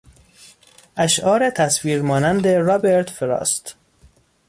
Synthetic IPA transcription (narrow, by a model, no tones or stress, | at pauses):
ʔæʃʔɒːɾet̪ʰæsviːɾmɒːnænd̪eɾɒːbeɾt̪feɾɒ̰ːst̪